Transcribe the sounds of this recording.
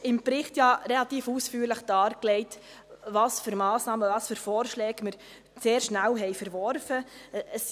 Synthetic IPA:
ɪmpɾɪχtjɑɾɛlɑt̪iːfusfyːɾləχd̥ɑːɾklɛɪt | vɑːsfʏɾmɑːsnɑːməvɑːsfʏɾfɔːɾʃlɛːɡ̥mɪɾ | seːɾʃnælɦɛjfəɾʋɔɾfəəs

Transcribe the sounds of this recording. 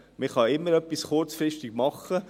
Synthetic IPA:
mɪχɑɪmːəɾœpisχʊrɾt͡sfɾɪʃtɪɡ̥mɑχːə

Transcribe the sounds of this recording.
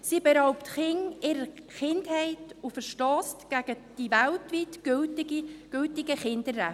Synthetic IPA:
siːbɛɾɑʊptχɪŋɪɾəχɪndhɛɪtufəɾʃtɑːstɡ̥æɡ̥ə | d̥ivæltʋitɡ̥ʏltɡ̥ʏltɪɡəχɪndəɾːæ

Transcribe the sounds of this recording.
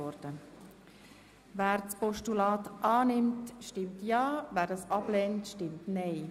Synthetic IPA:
ɔɾd̥ə | væːɾt͡spɔʃtulaːtʔɑːnɪmtʃtɪmtjɑːvæːɾdɑsɑblɛntʃtɪmtnɛɪ

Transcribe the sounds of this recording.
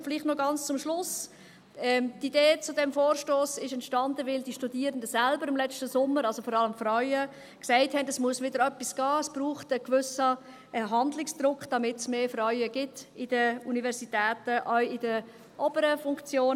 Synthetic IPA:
fɪliχtnɔɡɑnt͡st͡sʊmʃlʊs | ɛtideːt͡sʊdɛmfoːɾʃtoːsɪʃɛntʃtɑndəvɪldiːʃtudiːɾəndəsɛlbəɾɪmlɛt͡stəsʊmːəɾɑlzofɔɾɑləmfrœʏə | ksɛɪthɛndɛsmuəsʋɪdəɾœpːisɡ̥ɑːɛsb̥ɾuːχtəkvʏsə | ɦɑndlɪksd̥̪ɾʊkʰχd̥ɑmɪtsmeːfɾœʏəɡ̥ɪtɪd̥əunivɛɾsitɛːtəʔœʏɪdə | ʔɔbəɾəfʊŋkt͡sjoːn

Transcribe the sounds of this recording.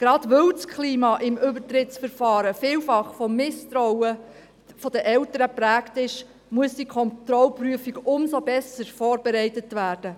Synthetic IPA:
ɡ̥ɾɑd̥ʋœwskʰliːmɑʔɪmʏbəɾtɾɪtsfəɾfɑːɾəfɪːwfɑχfɔmːɪstɾɔwə | fɔd̥əʔɛltəɾəpɾæːktɪʃ | muəsd̥ikʰɔntɾɔlpryəfiɡʊmsobɛsəɾfɔːɾbɛɾɛɪtətʋæːɾd̥ə

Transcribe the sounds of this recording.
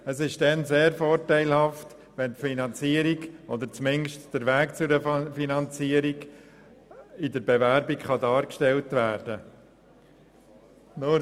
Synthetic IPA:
əsɪʃd̥ɛnseːɾfɔːɾtæɪlhɑft | ʋɛntfinɑnt͡siːəɾiɡod̪əɾt͡smɪnʃtd̥əɾʋæːkt͡sʊɾəfinɑnt͡siːəɾiɡ | ɪdəɾbɛvæɾbikχɑdɑːɾkʃtɛltvæːɾdə | nʊ

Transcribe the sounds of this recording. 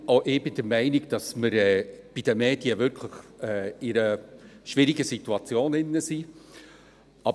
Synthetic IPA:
oʔɪːbɪd̥əɾmæɪnɪɡd̥ɑsməɾɛːb̥id̥əmeːd̥iəvʏɾkʰləχɛːɪɾəʃvɪɾɪɡəsituɑt͡sjoːnɪnːəsi | ʔɑ

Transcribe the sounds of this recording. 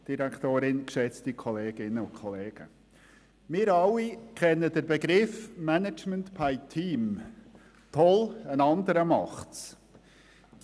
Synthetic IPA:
d̥iɾækʰtoːɾɪnkʃɛt͡stikʰɔleːɡ̥ɪnːəʊnkʰɔleːɡ̥ə | mɪːɾɑlːikʰɛnːədəɾbeɡɾɪfmænəd͡ʒməntpʰaɪtʰiːm | tʰɔlənɑnd̪əɾəmɑχts

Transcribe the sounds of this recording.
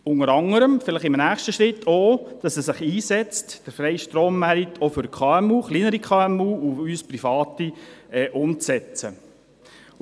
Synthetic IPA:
ʊnəɾɑŋəɾəmfɪləχɪmnæːχʃtəʃɾɪtʰːoːd̥ɑsɛsɪχiːsɛt͡std̥əɾfɾɛjʃtɾoːmːæɾitʰofʏɾkʰχɑːɛmuːχliːnəɾikʰχɑːɛmuːuyːspɾifɑːtiɛʔʊmt͡sɛt͡sə̰

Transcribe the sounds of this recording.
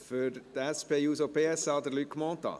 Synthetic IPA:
fʏɾt̪ɛspeːjuːsopʰeːɛsɑːd̪əɾlyt̚kmɔːnt̪ɑ̰ː

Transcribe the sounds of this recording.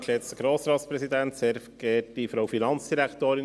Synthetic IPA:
lɛt͡st̪əɡ̥ɾoːsɾɑːt̪spɾɛsid̪ænt̪sɛɾfɡ̥ɛːt̚d̥ifɾoʊfinɑnt͡sd̥iɾækt̪oːɾɪ

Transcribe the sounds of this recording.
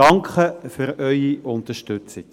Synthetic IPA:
ɑŋkχəfʏɾœʏiʔʊnt̪əʃtʏt͡sɪk

